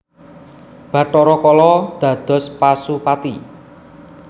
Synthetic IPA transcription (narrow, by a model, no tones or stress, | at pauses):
b̥a̤ʈɔɾɔkɔlɔd̪̥ä̤d̪̥ɔ̤spasupat̪i